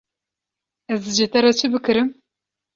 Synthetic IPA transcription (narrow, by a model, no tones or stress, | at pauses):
ɛzd̪ɨd͡ʒet̪ɛɾɛt͡ʃʰɨbɨkʰɨɾɨm